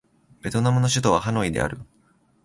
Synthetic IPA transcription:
b̥e̞t̪o̞namɯ̟no̞ɕ̬ɨt̪o̞β̞aɦano̞id̪e̞̰a̰ɾɯ̟

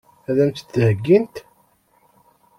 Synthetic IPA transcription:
æðæmt̪t͡s̪ːhəɡːint̪

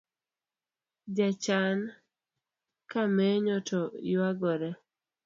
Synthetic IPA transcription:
d͡ʒat͡ʃan | kamɛɲɔtʰɔjwaɡɔɾɛ

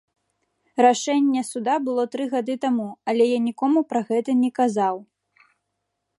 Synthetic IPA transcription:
ɾaʂɛnʲːɛsud̪abɨlˠɔt̪ɾɨɣad̪ɨt̪amuɐlʲɛjanʲikɔmupɾaɣɛt̪ɐnʲɛkazaw

